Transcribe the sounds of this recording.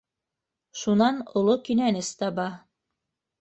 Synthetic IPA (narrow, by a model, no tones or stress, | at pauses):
ʃunɑnŏlˠokinænɘst̪ɑbɑ